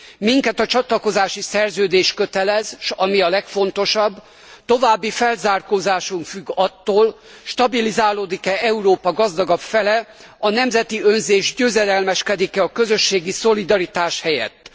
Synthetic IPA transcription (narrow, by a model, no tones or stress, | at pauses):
miŋkɛt̪ɒt͡ʃɒt̪lɒko̞zaːʃisɛrzøːd̪eːʃkø̞t̪ɛlɛzʃɒmiɒlɛkfo̞nt̪o̞ʃɒbː | t̪o̞vaːbːifɛlzaːrkoːzaːʃuŋkfyɡːɒt̪ːoːl | ʃt̪ɒbilizaːloːd̪ikɛɛuɾoːpɒɡɒzd̪ɒɡɒpfɛlɛ | ɒnɛmzɛt̪iønzeːʒɟøːzɛlɛlmɛʃkɛd̪ikɛɒkø̞zøʃːeːɡiso̞lid̪ɒɾit̪aːʃhɛjɛ̰t̪ː